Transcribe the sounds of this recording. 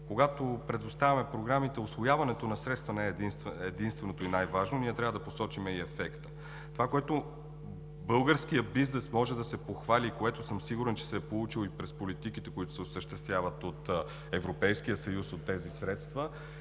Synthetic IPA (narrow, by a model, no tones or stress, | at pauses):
koɡat̪opɾɛd̪ʊst̪avʲɐmɛpɾoɡɾamit̪ɛʊsvojavɐnɛt̪onɐsɾɛt̪st̪vɐnɛɛnst̪ɛd̪inst̪vɛnot̪oinajvaʒnoniɛt̪ɾʲavəd̪ɐposɔt͡ʃimɛiɛfɛkt̪ə̥ | t̪ovakoɛt̪o | bɤlˠɡəɾsk̟ijəbiznɛsmɔʒɛd̪ɐsɛpoxvalʲikoɛt̪osɤmsiɡuɾɛnt͡ʃɛ̥sɛːpolˠut͡ʃilˠipɾɛspolit̪ikit̪ɛkoit̪ʊ̥sɛʊsəʃt̪ɛst̪vʲjavɐt̪ot̪ | ɛvɾopɛjskijəsɐjusot̪ːɛzisɾɛt̪st̪və